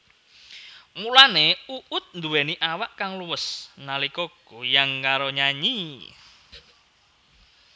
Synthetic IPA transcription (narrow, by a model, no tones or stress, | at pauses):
mulaneuʔʊt̪̚nd̪uweniʔawaʔkaŋluwəsnalikɔɡ̥ujaŋkaɾoɲaɲi